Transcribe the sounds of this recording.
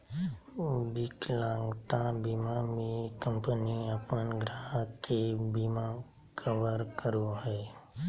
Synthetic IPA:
bɪklãːŋɡt̪ãbimamẽkəmpəniəpənɡɾaɦkebimã | kʰəʋəɾkəɾoɦɛː

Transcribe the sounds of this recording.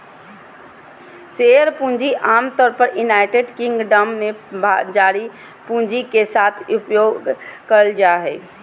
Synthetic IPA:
seəɾpũnd͡ʒiʔamt̪ɔɾpəɾunaɪʈeɖkĩŋɡɖəmːebʱad͡ʒaɾi | pũnd͡ʒikesat̪ʰupjoɡkəld͡ʒaɦɛ

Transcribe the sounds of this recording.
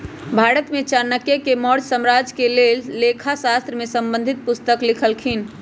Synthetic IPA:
bʱaːɾət̪met͡ʃaɾnːəkjekemɔɾd͡ʒsəmɾad͡ʒkelelːekʰasast̪ɾəmesə̃mbə̃nd̪ʱit̪̚pʊst̪əklikʰəlkʰin

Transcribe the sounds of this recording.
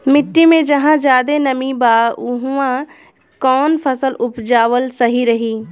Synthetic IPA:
mɪʈːimẽd͡ʒɐɦãd͡ʒaːd̪enɐmibaːʊɦuã | kɔːnpʰəsəlʊpd͡ʒaːʋəlsɐɦiɾɐɦiː

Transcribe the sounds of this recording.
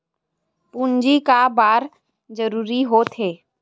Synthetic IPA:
pund͡ʒikabaːɾ | d͡ʒəɾuːɾiɦoːt̪ɦeː

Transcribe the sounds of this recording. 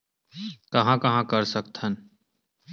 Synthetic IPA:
kɐɦãkɐɦãkɐɾsɐkt̪ʰən

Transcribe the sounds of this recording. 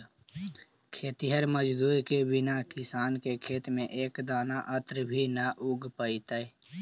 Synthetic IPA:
kʰeːt̪iɦəɾməd͡ʒd̪uːɾkebɪnakɪsaːnkekʰeːt̪mẽʔeːkd̪aːnaʔət̪ɾbʱinaʔʊɡpəit̪əe

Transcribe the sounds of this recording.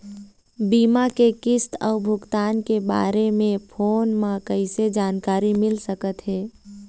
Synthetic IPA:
biːmakekɪst̪ʰɔːʊbʱʊɡt̪aːnkeba̰ːɾemẽpʰoːnmãkəɪsed͡ʒaːnkaːɾimɪlsəkət̪ɦɛː

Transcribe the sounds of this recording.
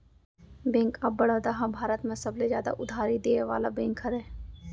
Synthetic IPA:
bẽːŋkabbːəɽ̤əːd̪aɦãbʱaːɾət̪mẽsɐblezjaːd̪a̰ʔʊd̪ʱaːɾid̪eːʋa̰ːlabẽːŋkɦəɾɛː

